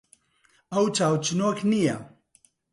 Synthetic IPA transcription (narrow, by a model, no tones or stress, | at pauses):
ɐwt͡ʃaːwt͡ʃɨnoknijɐ